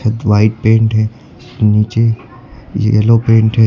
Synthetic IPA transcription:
ɐd̪ʋaːɪʈ̚pẽːɳʈɦɛː | niːt͡ʃe | jɛ̰lopẽːɳʈɦɛː

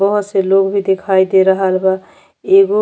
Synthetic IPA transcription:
bəɦʊt̪selokbʱid̪ekʰaid̪eɾəɦəlba | eɡo

